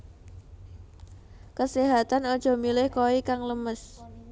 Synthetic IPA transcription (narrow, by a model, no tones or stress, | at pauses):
kəsiɦat̪anɔd̥ʒ̥ɔ̤milɪhkoikaŋləməs